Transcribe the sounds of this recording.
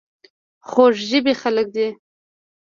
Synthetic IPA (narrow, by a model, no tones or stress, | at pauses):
xoʂʒəbexalək̚d̪i